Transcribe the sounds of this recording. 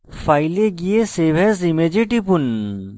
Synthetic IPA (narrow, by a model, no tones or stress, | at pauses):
faːileɡieseːʋʱɛzimed͡ʒeʈipun